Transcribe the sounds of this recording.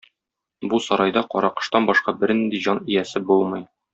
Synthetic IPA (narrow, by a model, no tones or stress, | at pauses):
busɒɾɑjd̪ɑqɒɾɑqɤ̥̆ʃt̪ɑnbɒʃqɑbɘ̆ɾnind̪iʑɒnijæsɘbulˠmɤ̆j